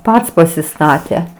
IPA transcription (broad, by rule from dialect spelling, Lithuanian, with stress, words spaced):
ˈpɐts pɐsʲɪˈstɑːtʲɛ